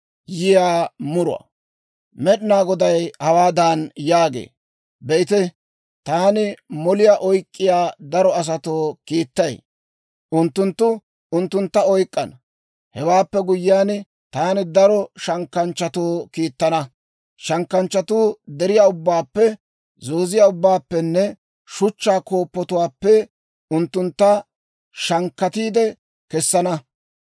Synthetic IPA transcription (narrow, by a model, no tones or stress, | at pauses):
jɪjaːmʊɾʊ̰ɐ̰ | mɛɗɪnaːɡɔd̪ɐjhɐwaːd̪anjaːɡḛː | bɛɪt̪ɛ | t̪aːnɪmɔlɪjaːʔɔjkʼːɪjaːd̪ɐɾɔɐs̬ɐt̪oːkiːt̪ːɐj | ʔʊnt̪ːʊnt̪ːʊ | ʊnt̪ːʊnt̪ːɐɔjkʼːɐnɐ | hɛwaːpːɛɡʊjːɪjaːn | t̪aːnɪd̪ɐɾɔʃɐŋkːɐnt͡ʃːɐt̪oːkiːt̪ːɐnɐ | ʃɐŋkːɐnt͡ʃːɐt̪uːd̪ɛɾɪjaːʊbːaːpːɛ | zoːzɪjaːʊbːaːpːɛnːɛ | ʃʊt͡ʃːaːko̞ːpːɔt̪ʊwaːpːɛ | ʊnt̪ːʊnt̪ːɐ | ʃɐŋkːɐt̪iːd̪ɛ | kɛsːɐnɐ